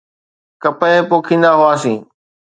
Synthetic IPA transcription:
kəpəepoːkʰĩːn̆d̪aɦʊaːsĩː

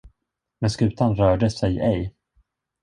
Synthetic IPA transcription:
mɛnskʉ̟ːt̪ʰanɾœːɖəsɛjɛj

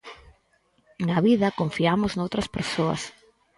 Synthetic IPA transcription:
nɐβiðɐkoɱfiamʊznowt̪ɾɐspeɾsoɐ̰s

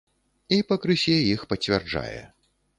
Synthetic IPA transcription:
ipɐkɾɨsʲɛjixpɐt͡sʲɛrd͡ʐa̰jɛ̰

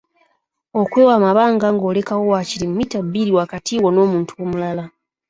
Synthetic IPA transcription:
o̞kwe̞ːwaːmaβaːŋɡaŋɡo̞ːle̞kawo̞waːcilimumitabːiɾiwaːkatiːwono̞ːmuːntʰuwomulala

